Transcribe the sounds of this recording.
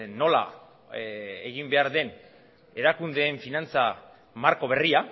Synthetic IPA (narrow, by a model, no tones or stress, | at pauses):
no̞la̰ | eɣimbe̞aɾðe̞n | e̞ɾakund̪e̞ːɱfinant͡sa | maɾko̞βe̞ria